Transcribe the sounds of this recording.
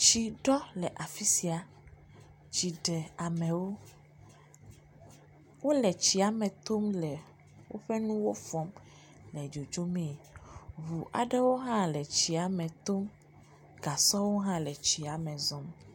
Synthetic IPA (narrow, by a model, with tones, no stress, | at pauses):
t͡ʃi˨ɖɔ˦lɛ˨ʔa˨fi˦si˨a˨ | t͡ɕi˨ɖe˨a˨mɛ̃˨wo˦ | wo˦lɛ˨t͡ɕi˨a˨mɛ̃˨t̪o˦mlɛ˨ | wo̰˦ɸɛ˦nũ˦wo˦fɔ˦m | lɛ˨d͡ʒo˨d͡ʒo˦mẽ˦˨βu˨ʔa̰˨ɖe˦wo˦ɦã˦lɛ˨t͡ɕi˨a˨mɛ̃˨t̪o˦m | ɡa˨sɔ˦wo˦ɦã˦lɛ˨t͡ɕi˨a˨mɛ̃˨zɔ̃˦m